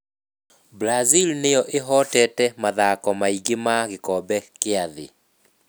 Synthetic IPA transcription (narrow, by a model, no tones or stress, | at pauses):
blazilnejɔʔeɦɔtɛːtɛmaðakɔmaiɣemaɣekɔbɛkeaðḛ